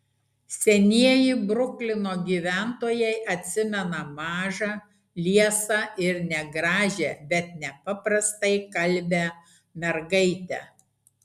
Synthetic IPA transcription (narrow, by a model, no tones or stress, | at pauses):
sʲɛnʲiɛjɪbɾʊklʲɪnoːɡʲiːʋʲæˑnt̪oːjɛɪʔɐt̪ʲsʲɪmʲɛnɐmɑːʒɑ | lʲiɛsɐɪɾnʲɛɡɾɑːʒʲebʲɛt̪̚nʲɛpɐpɾɐst̪ɐɪkɐlʲbʲɛ | mʲɛɾɡɐɪt̪ʲɛ